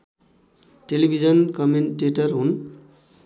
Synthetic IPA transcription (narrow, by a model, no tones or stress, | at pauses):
ʈelibʱid͡zʌnkʌmenʈeʈʌrɦun